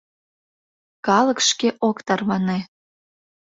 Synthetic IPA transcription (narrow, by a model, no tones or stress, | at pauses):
kɑlɤkʃkeʔokt̪ɑrβɑne